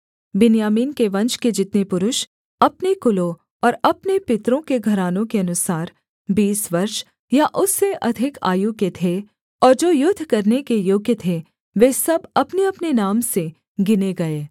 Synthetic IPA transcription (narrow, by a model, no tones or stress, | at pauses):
bɪnjaːmiːnkeʋɐ̃nt͡ʃked͡ʒɪt̪nepʊɾʊʃ | ɐpnekʊlo | ɔːɾɐpnepɪt̪ɾõkeɡʱɐɾaːnõkeɐnʊsaːɾ | biːsʋɐɾʃ | jaʔʊsːeʔɐd̪ʱɪka̰ːjuket̪ʰe | ɔːɾd͡ʒoːjʊd̪ʱːkɐɾnekejoːɡjət̪ʰe | ʋeːsɐbɐpneɐpnenaːmse | ɡɪneɡɐeː